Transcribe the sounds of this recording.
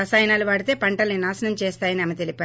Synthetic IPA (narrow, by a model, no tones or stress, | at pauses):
ɐsaːjnaːlɐʋaːɽit̪eːpɐɳʈɐlninaːsɐnɐmt͡ʃɛːst̪aːjɐniɐmɐt̪e̞lipaː